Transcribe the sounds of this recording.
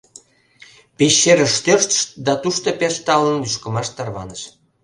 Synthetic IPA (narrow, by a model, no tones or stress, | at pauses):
pʲeɕːeɾəʃt̪ørʃt̪ə̥ʃt̪d̪ɑt̪uʃt̪opʲeʃt̪ɑlənlyʃkə̆mɑʃt̪ɑrβɑnəʃ